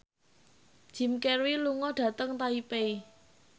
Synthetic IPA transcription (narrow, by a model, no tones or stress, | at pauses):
ʒ̥i̤mkɛrwiluŋɔɖ̥ä̤t̪əŋt̪aipei